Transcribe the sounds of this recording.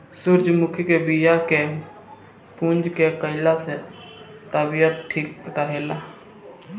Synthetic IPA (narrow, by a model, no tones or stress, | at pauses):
sʊɾd͡ʒmʊkʰjkeːbiːjaːkeː | pũːnd͡ʒkeːkəɪlaːse | t̪abijət̪̚ʈʰiːk̚ːəʈaːɦeːlaː